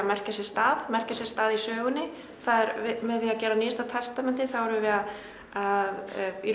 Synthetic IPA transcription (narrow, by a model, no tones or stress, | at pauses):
mɛr̥casjɛ̥st̪aːðmɛr̥casjɛ̥st̪aːðisœːɣʏnːɪ | θaðɛɾvɪmɛðθiaðcɛːɾaniːst̪at̪ʰɛst̪amɛnt̪ɪθawɛɾvɪvɪðað | aði